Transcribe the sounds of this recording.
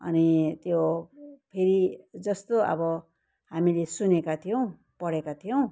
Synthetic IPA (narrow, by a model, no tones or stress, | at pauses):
ʌ̰nit̪jopʰeɾid͡zʌst̪oʌ̰bʌ | hamilesunekat̪ʰijow̃ | pʌɽekat̪ʰijow̃